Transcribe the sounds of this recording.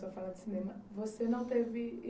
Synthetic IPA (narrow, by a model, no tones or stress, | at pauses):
soɐfalad̪ɪsinẽmɐvosenɐ̃w̃t̪evɪ